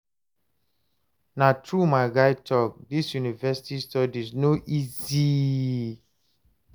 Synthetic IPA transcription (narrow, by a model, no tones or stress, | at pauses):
natʰɹumaɪɡaɪtʰɔk̚disjunivɛsi̥tistɔdiznoʔizi